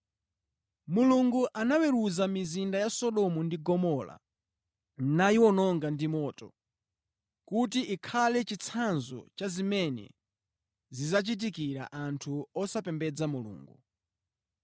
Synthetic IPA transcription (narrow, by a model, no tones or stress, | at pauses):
muluŋɡuʔanawɛɾuzamizindajasɔɗɔmundiɡɔmɔla̰ | najiwɔnɔŋɡandimɔːtɔ | kutiʔikʰalɛt͡ʃit͡sʰanzɔ̰t͡ʃazimɛnɛ̰ | zizat͡ʃit̬ikiɾa̰ʔantʰuɔsapɛmbɛd͡zamulṵːŋɡu